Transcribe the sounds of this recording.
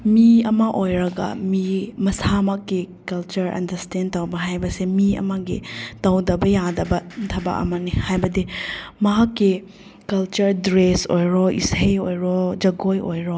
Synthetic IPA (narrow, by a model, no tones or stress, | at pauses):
miɐmɐʔojɾɐɡɐ̰mimɐsamɐkːikɐlt͡ʃɐɾɐ̰ndɐɾstendtɐwbɐɦajbɐsemiɐ̰mɐɡḭtɐwdɐbɐjadɐbɐtʰɐbɐ̰ʔɐ̰mɐnihajbɐdimɐɦakːi | kɐlt͡ʃɐɾdɾesojɾɔḭsejojɾɔd͡ʒɐɡojojɾɔ